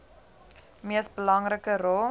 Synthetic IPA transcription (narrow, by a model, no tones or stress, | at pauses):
miəsbəlɐŋrəkərɔl